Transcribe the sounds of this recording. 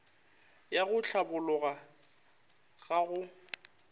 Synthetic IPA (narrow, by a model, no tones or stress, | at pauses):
jaɣʊɬʰabʊlʊɣa | ɣ̥aɣʊ